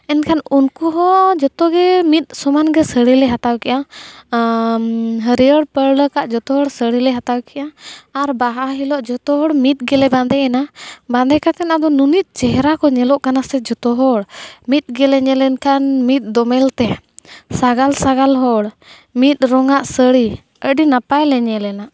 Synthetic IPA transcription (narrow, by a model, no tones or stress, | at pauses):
ɛnkʰanunkuɦɔd͡ʒɔt̪ɔɡɛmit̪̚ˀsɔmanɡɛsəɽilɛɦat̪awkɛʔa | ɦəɾiəɽpəɽləkaʔd͡ʒɔt̪ɔɦɔɽsəɽilɛɦat̪awkɛʔaːɾbaɦaɦilɔʔd͡ʒɔt̪ɔɦɔɽmit̪̚ɡɛlɛband̪ɛɛnaband̪ɛkat̪ɛnad̪ɔnunit̪̚ˀt͡ʃɛɦɛɾakɔɲɛlɔʔkanasɛd͡ʒɔt̪ɔɦɔɽmit̪̚ˀɡɛlɛɲɛlɛnkanmit̪̚ˀd̪ɔmɛlt̪ɛ | saɡalsaɡalɦɔɽ | mit̪̚ˀɾɔŋaʔsəɽi | əɖinapajlɛɲɛlɛnaʔ